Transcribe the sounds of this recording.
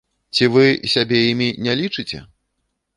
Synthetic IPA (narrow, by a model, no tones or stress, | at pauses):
t͡sʲivɨsʲabʲejimʲinʲɛlʲit͡ʂɨt͡sʲɛ̰